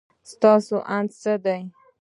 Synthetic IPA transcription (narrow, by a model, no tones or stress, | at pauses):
st̪ɑsoʔand̪səd̪aj